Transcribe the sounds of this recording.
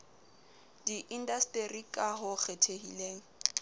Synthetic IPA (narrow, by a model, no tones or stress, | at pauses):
diʔindastʼerikʼaɦʊk͡xʰɛtʰehileːŋ̩